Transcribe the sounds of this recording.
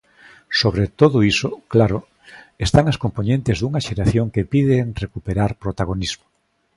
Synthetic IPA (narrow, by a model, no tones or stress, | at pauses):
soβɾet̪oðʊisoklaɾʊ | est̪aŋaskomponẽnt̪ɪzðuŋaʃeɾaθjoŋkepiðeŋrekupeɾaɾpɾot̪aɣ̞onizmo